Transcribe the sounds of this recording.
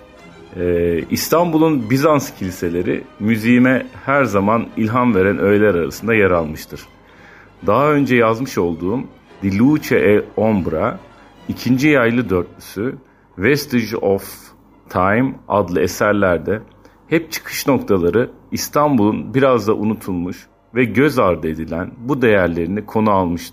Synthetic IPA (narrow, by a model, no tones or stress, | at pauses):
ɛist̪ʰambulˠunbizanscʰilʲise̞lʲe̞ɾḭmyzijmɛhæɾzamanilʲɦanve̞ɾænʔø̞jlʲæɾaɾa̰sɯnd̪ajaɾalˠmɯʃt̪ʰɯɾ̥ | d̪aɦaø̞nd͡ʒɛjazmɯʃo̞lˠd̪uːm | d̪ilʲut͡ʃʰɛʔɛo̞mbɾa | icʰind͡ʒijajlˠɯd̪ø̞ɾt̪̚lysy | vɛst̪iʒof | t̪ʰajma̰d̪lˠɯesæɾlʲæɾd̪ɛ | hɛp̚t͡ʃʰɯ̥kʰɯ̥ʃno̞k̚t̪ʰalˠaɾɯist̪ʰambulˠunbiɾazd̪aʔunut̪ʰulˠmuʃ | vɛɟøzaɾd̪ɯe̞d̪ilʲænbud̪e̞jæɾlʲe̞ɾinikʰo̞nualˠmɯʃt̪ʰɯɾ̥